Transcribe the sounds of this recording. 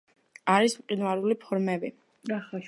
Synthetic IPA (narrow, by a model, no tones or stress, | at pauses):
aɾismqʼinwaɾulipʰɔɾmɛbi